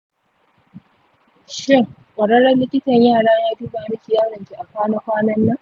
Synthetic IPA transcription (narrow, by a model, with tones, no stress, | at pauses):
ʃɪ˦˨ŋ | kʷʼɐ˨ɽɐ˦ɽɐ˦nlɪ˦kʲɪ˦tɐ˨ɲjaː˦˨ɽaː˦jaː˦du˦baː˨ɽɪ˦kʲi˨jaː˦ɽɐ˨ŋkʲi˨ʔa˨kʷaː˦na˦kʷaː˦nɐ˦nːɐ˦